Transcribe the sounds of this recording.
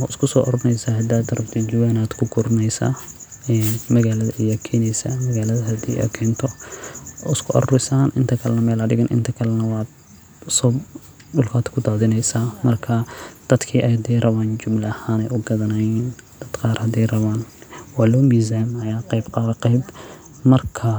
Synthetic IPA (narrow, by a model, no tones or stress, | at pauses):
ɔ̰ːɪskʰʊsɔːʔɔɾnɛjsaːɦɐd̪aːd̪ɐɾɐbt̪ʰid͡ʒɪwaːnaːd̪kʰʊɡʊɾnɛjsa̰ː | ɛːnmɐɣaːlɐðɐʔijɐkʰɛːnɛjsamɐɣaːlɐðɐɦɐd̪ḭːʔɐ̰kʰɛːnt̪ʰɔ | ɪskʰʊʔɐ̰rɾɪsaːnʔɪnt̪ʰɐkʰɐlɛnɐmɛːlɐɖɪɣɐnʔɪ̰nt̪ʰɐkʰɐlɛnɐwɑːd̪ | sɔːb | ɖʊlkʰaːd̪kʰʊd̪aːðɪnɛjsaːmɐrkʰɐd̪̥ɐd̪kʰiːʔɛjhɐd̪ɛjrʔɐβaːnd͡ʒʊmlɐɐhaːnɛjʊɡɐðɐnajiːn | d̪̥ɐd̪̥qɑːrhɐd̪ɛjrɐβaːnwɑːlɔːmiːzaːmɐjaːqɑjbqɑːðɛqɑjb | mɐrkʰɐ